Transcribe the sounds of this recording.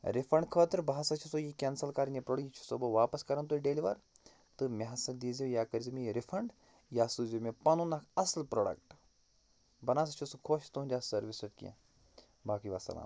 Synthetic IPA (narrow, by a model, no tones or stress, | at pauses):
ɾifʰɐɳɖkʰəːt̪ɨɾbaːasɐt͡ʃʰusojikʲensɐlkaːɾinjipɾoːɖɐkit͡ʃʰu̥sobɐʋaːpɐskɐɾɐnt̪̬oːiɖeːliʋa̰ɾ | t̪ɨmʲeɦɐsɐd̪iːzijaːkɐɾzimejiɾifʰɐɳɖ | jaːsuzimepɐnunɐkʰɐslpɾoːɖɐ̰kʈ | bɐnaːs̬ɐt͡ʃʰusukʰoːʃt̪uund̪ʲasɐɾʋisɐʈkḭã̰ | baːkiʋa̰sɐ̰la̰ːn